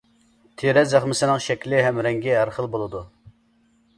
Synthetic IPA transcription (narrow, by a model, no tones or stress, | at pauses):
t̪ʰeɾɛzæχmɪsɪnɨŋʃɛkʲlɪɦɛmɾɛŋɡʲiɦæɾχəlˠbolˠɨd̪u